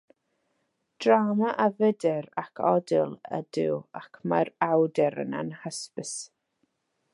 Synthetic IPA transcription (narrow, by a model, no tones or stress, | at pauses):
d̥ramaʔavədɛrakʰɔdɪlˠə̰dɪwakʰmarawdɛɾə̰na̰nhəspəs